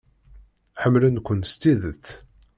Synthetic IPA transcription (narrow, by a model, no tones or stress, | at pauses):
ħəmːlənkʷːənst̪iðəθ